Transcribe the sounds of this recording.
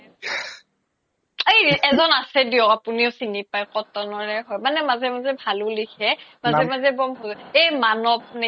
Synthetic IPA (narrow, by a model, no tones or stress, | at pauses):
ejɛzɔnasɛdiɔapuniʊsinipajkɔtɔnɔɹɛɦɔjmanɛmazɛmazɛbʱalʊlikʰɛmazɛmazɛbɔmɦɔejmanɔp̚ne